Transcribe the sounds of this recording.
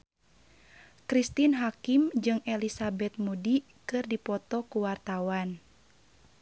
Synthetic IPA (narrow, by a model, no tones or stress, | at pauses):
kɾist̪inɦakimd͡ʒɨŋɛlisabɛt̪̚mudi | kɨrdipɔt̪ɔkuwart̪awan